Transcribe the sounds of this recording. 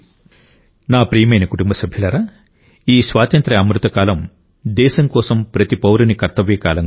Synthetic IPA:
naːpɾiːjɐmɐjnɐkuʈumbɐsɐbʱjɐlɐɾaː | iːsʋaːt̪ɐnt̪ɾɐɐmɾut̪ɐkaːlɐm | d̪ɛːsɐŋkɔːsɐmpɾɐt̪ipɐwɾɐnikɐɾt̪ɐʋjɐkaːlɐŋ

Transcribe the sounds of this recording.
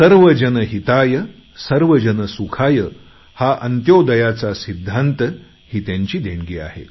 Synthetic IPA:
səɾʋəd͡ʑənəɦit̪ajə | səɾʋəd͡ʑənəsukʰajə | haʔənt̪jod̪əjat͡sasid̪ʱːant̪ə | ɦit̪jãɲt͡ɕiːd̪ʱeɳɡiːa̰ɦḛ

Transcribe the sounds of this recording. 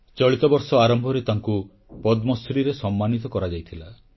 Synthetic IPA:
t͡ʃɔɭit̪ɔbɔɾsɔaɾɔmbʱɔɾet̪aŋku | pɔd̪mɔsɾiɾesɔmːanit̪ɔkɔɾad͡ʒajt̪ʰila

